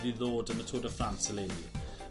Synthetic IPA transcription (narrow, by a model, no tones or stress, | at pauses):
viðɔːdəmətʰoːdəfɹãnsəlevi